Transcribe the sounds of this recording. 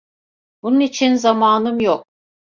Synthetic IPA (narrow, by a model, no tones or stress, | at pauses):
bununit͡ʃʰinzamaːnɯmjok̚